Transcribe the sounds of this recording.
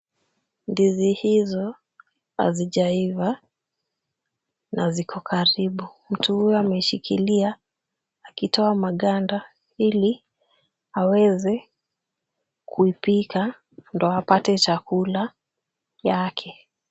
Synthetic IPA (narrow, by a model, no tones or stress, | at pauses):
ndizihizɔ | a̰ziʄaiva | nazikʰɔkʰaɾiɓu | m̩tuhujɔamɛʃikʰilia | akitɔamaɠanda | ili | awɛzɛ | kʰuipika | ndɔapatɛt͡ʃakula | jakʰɛ